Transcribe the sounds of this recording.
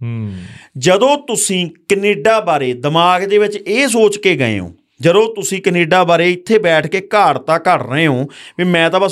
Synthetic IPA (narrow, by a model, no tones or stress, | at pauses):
d͡ʒəd̪õːt̪ʊsĩːkəneːɖaːbaːɾeːd̪əmaːɡd̪eːʋɪt͡ʃeːsoːt͡ʃkeːɡə̰ḛːɦõ̰ː | d͡ʒəd̪õːt̪ʊsĩːkəneːɖaːbaːɾeːɪt̪ʰːeːbɛːʈʰkeːkaːɾt̪ãːkəɾɾəeːɦõːʋiːmɛ̃ːt̪ãːbə